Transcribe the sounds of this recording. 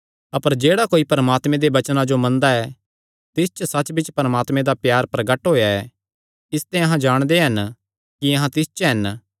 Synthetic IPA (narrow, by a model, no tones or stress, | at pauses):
ɐpəɾd͡ʒeːɽakoːipɐɾəmaːt̪mẽd̪eʋɐt͡ʃnãd͡ʒomɐ̃nd̪aɛ | t̪ɪst͡ʃsɐt͡ʃbɪt͡ʃpɐɾəmaːt̪mẽd̪apjaːɾpɾɐɡəʈɦoːjaɛ | ɪst̪ɛ̃ɐɦãd͡ʒaːɽ̃d̪eɦɐn | kiɐɦãt̪ɪst͡ʃɦɐn